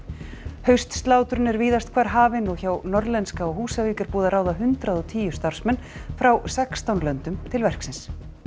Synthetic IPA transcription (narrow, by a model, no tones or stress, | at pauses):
hœɥst̪st̪laːwt̪ɾʏnɛɾviːðast̪̚kʰvaːɾ̥ɦaːvɪnɔɣçawnɔɾðlɛnskaɔɣɦuːsaviːkʏɾpuːðaɾaːwðaɦʏnt̪ɾaðɔt̪ʰiːjʏ̥st̪aɾ̥smɛnːfɾawsɛkst̪awnlœnt̪ʏmt̪ʰɪlvɛr̥ksɪns